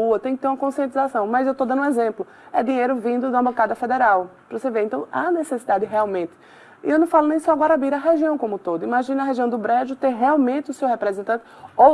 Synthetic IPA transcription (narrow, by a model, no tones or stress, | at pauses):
uɐt̪ẽj̃kɪt̪eɾũmɐkõsiẽnt̪izasɐ̃w̃mɐzewt̪od̪ɐ̃nd̪ʊ̃ũɛzẽplʊ | ɛd̪ĩɲejɾʊvĩd̪ʊd̪ũɐ̃mbokad̪ɐfed̪ɛɾawpɾseveɾẽnt̪ɐ̃w̃anesesid̪ad̪ɪɦɛawmẽnt̪ɪ | ewnɐ̃w̃falʊnẽj̃sɔaɡwaɾabiɾɐɦeʒiɐ̃w̃kõmʊt̪od̪ʊimaʒĩnɐɦeʒiɐ̃w̃d̪ʊbɾɛd͡ʒʊt̪eɦɛawmẽnt̪ɪʊsewɦepɾɛzẽnt̪ɐ̃nt̪ɪo